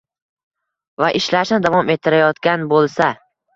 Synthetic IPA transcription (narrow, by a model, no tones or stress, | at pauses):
vaʔɪʃlaʃnɪd̪avɒmet̪ʰːɪɾajɒt̪kʲanbolˠsa